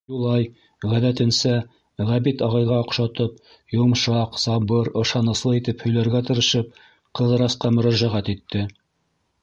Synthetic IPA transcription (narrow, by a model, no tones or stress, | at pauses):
julˠɑj | ʁæðæt̪ɘ̆nsæ | ʁæβit̪ɑʁɑjʁɑŏqʃɑt̪ɤp̚ | jumʃɑqsɑβɤɾɤ̆ʃɑnɤ̆slˠɤit̪ɘphɵ̆jlæɾɡæt̪ɤ̆ɾɤ̆ʃɤp̚ | qɤ̆ðɤ̆ɾɑsqɑmɵ̆ɾæʒæʁæt̪it̪ːɘ